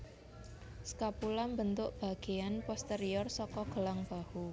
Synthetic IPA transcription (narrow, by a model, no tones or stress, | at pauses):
skapulambənt̪ʊʔb̥ä̤ɡ̥e̤anpɔst̪eɾiɔrsɔkɔɡ̥ə̤laŋb̥a̤hu